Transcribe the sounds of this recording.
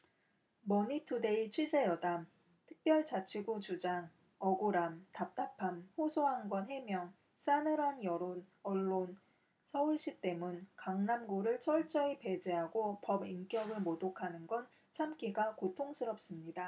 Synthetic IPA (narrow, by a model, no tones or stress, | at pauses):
mʌɲitʰude̞it͡ɕʰwɥid͡ʑe̞jʌdam | tʰɯ̥k̚p͈jʌɭt͡ɕat͡ɕʰiɡut͡ɕud͡ʑaŋ | ʌɡoɾamtap̚t͈apʰamɸosʰoɦaŋɡwʌnɦe̞mjʌŋ | s͈anɯɾanjʌɾonʌɭːon | sʰʌuɭɕ͈ik̚t͈e̞munkaŋnamɡoɾɯɭt͡ɕʰʌɭt͡ɕ͈ʌipe̞d͡ʑeɦaɡopʌbink͈jʌɡɯɭmodokʰanɯnɡʌn | t͡ɕʰamk͈iɡakotʰoŋsʰɯɾʌp̚s͈ɯmɲida